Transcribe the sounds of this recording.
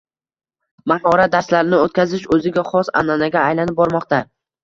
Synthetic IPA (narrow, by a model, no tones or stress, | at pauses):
mahɒɾad̪aɾslaɾɪnɪot̪̚ʲkʲazɪʃɵzɪɡʲaχɒsa̰nanaɡʲaːjlanɪp̚bɒɾmɒqt̪a